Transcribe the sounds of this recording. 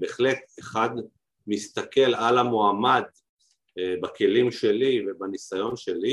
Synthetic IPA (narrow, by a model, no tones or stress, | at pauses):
beːχle̞t̪eχad̪ | mist̪ake̞lalamoamad̪ | bake̞limʃe̞livebanisajo̞nʃe̞li